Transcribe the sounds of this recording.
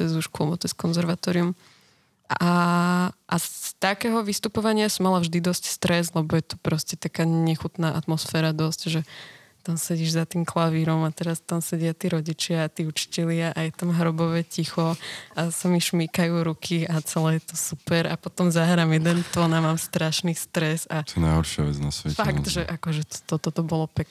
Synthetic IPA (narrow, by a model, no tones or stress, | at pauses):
ɛzuʃkuɔmɔt̪ɛskɔnzɛɾʋat̪ɔːɾium | ʔa | ʔast̪akɛːɦɔʋist̪upɔʋaɲɪasɔmalavʒd̪id̪ɔscst̪ɾɛzlɛbɔjɛt̪u̥pɾɔscɛt̪akaːɲɛxut̪naːʔat̪mɔsfɛːɾad̪ɔscʒɛ | t̪amsɛɟiːʒzat̪iːmklaʋiɾɔmat̪ɛɾast̪amsɛɟɪat̪iːɾɔɟit͡ʃɪaːt̪iːut͡ʃi̥cɛlɪaʔajɛt̪amɦɾɔbɔʋɛcixɔasamiʃmiːkajuːɾukʰiat͡sɛlɛːjɛt̪ɔsupɛɾapɔt̪ɔmzaɦɾaːmjɛd̪ɛnt̪ɔnamaːmst̪ɾaʃniːst̪ɾɛzat̪ɛna̰jɦɔɾʃɪa̰ʋɛ̰d͡zna̰sʋɛ̰fakt̪ʒɛʔakɔʒɛt̪t̪ɔt̪ɔt̪ɔbɔlɔpɛk